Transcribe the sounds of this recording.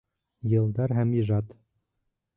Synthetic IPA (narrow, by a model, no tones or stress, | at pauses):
jɤ̆lˠd̪ɑɾɦæmiʒɑt̪